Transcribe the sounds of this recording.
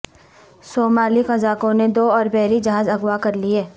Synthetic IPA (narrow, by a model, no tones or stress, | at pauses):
soːmaːlixɐzaːkõned̪oːɔːɾbɛːɾid͡ʒɐɦaːzɐɡwakɐɾliɦɛː